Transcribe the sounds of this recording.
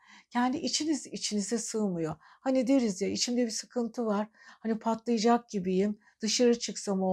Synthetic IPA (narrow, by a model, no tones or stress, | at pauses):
cʰɛnd̪iʔit͡ʃʰinizit͡ʃʰinizɛsɯːmɯjo | hanid̪eɾizjait͡ʃʰimd̪ɛbisɯkʰɯnt̪ʰɯvaɾ̥hanipʰat̪lˠɯjɯd͡ʒak̚ɟibijim | d̪̥ɯʃaɾɯt͡ʃʰɯksamo